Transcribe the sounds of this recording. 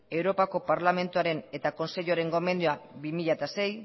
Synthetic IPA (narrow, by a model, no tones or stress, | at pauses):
e̞wɾo̞pako̞paɾlame̞nt̪uaɾe̞ne̞t̪ako̞nse̞ʎuaɾe̞ŋɡo̞me̞nd̪uabimiʎat̪ase̞j